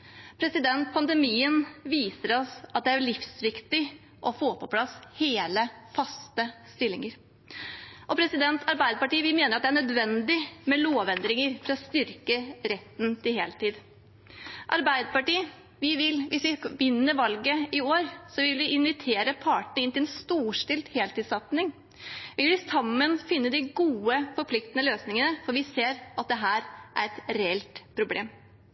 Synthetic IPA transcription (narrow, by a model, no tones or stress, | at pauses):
pʰɾɛsɪd̪ɛnt̪̚pʰɑnd̪əmiːənʋiːsəɾɔsɑt̪̚d̪ɛæɭɪfsʋɪkt̪ɪ | ʔɔfoːpʰɔpʰlɑsheːləfɑst̪əst̪ɪlːɪŋəɾ | ʔɔpʰɾɛsɪd̪ɛnt̪ɑɾbæɪd̪əpɑʈiːʋɪmeːnəɾɑt̪̚d̪ɛæɳœd̪ʋɛnd̪ɪmɛloːʋɛnd̪ɾɪŋəɾfɾɔst̪ʏɾkəɾɛt̪ːn̩t̪ʰɪɦeːlt̪iːd̪ | ʔɑɾbæɪd̪əpɑʈiː | ʋɪʋɪlʋʔɪsʋɪʋɪnːəɾʋɑlɡəɪoːɾsɔʋɪlʋɪʔɪnʋɪt̪ʰeːɾəpʰɑːʈəɳəɪnt̪ɪlɛnst̪uːʂʈɪlt̪heːlt̪ɪːd̪sɑt̪nɪŋ | ʋɪlʋɪsɑmːənfɪnːəd̪ɪɡuːəfɔɾpʰlɪk̚t̪ənəløːsnɪŋənəfɔɾʋɪseːɾɑt̪̚d̪ɛɦæːɾʔæɾɛt̪ɾɛɛlt̪pʰɾʊblḛːm